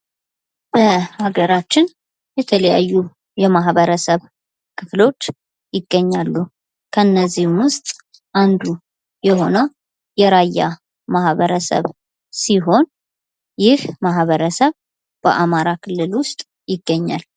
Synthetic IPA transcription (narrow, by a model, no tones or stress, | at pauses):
b̥əhaɡəɾat͡ʃːɪn | jɛt̪ʰələja̰jːu | jɛmaɦβəɾəsəβ | kʰɨflo̞t͡ʃː | jɪɡːəɲːalːu | kʰəɨnːəzːihmwʊst̪ʼ | ʔand̪u | jɛɦo̞nə | jɛɾajːa̰ | mahβəɾəsə̰β | siɦo̞n | jɪhmaɦβəɾəsəβ | b̥əʔamaɾakʰɨlːɨlwʊst̪ʼ | jɪɡːəɲːa̰l